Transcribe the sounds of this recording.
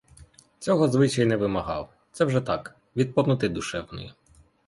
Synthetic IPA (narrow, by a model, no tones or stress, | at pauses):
t͡sʲɔɦɔzʋɪt͡ʃɐjnɛʋɪmɐɦɑw | t̪sɛwʒɛt̪ɑk | ʋʲid̪̚pɔmnʊt̪ɪd̪ʊʃɛwnɔ̰ji